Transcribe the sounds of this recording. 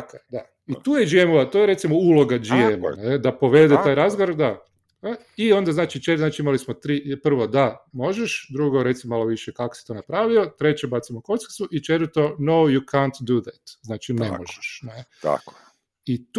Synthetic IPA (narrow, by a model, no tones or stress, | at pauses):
akod̪a | it̪uːjed͡ʒiemoʋat̪ojeɾe̞t̪simoulo̞ɡad͡ʒiem̰ned̪apo̞ʋe̞d̪et̪aːjɾazɡoʋoɾd̪a | io̞nd̪aznaːt͡ʃit͡ʃeznaːt͡ʃiimalismot̪ɾipr̩ʋod̪amo̞ʒeʃd̪ɾuɡoɾe̞t̪simmaloʋiʃekako̥si̥t̪o̞ːnapɾaːʋio̞t̪ɾe̞t͡ɕebat̪simokosksuʔit͡ʃet̪ɾt̪onowjukʰant̪d̪ud̪ɛt̪znaːt͡ʃinemoʒeʃnet̪a̰ko | it̪